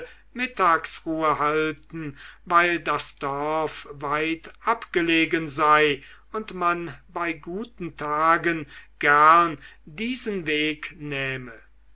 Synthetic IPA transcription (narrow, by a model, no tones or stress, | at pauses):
mɪtaːksʁuːəhaltn̩vaɪldasd̥ɔɐfvaɪtʔapɡ̥əleːɡənzaɪ | ʊntmanbaɪɡuːtn̩tʰaːɡənɡ̥æʁndiːzənveːknɛːmə